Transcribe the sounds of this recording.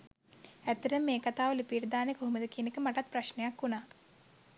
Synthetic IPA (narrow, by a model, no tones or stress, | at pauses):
et̪ːɐɾɐmːeːkɐt̪aːʋɐlipiːʈd̪aːneɡʱuɦumɐd̪ɐkinikɨmɐʈɐt̪̚pɾɐʃnɐjakːuna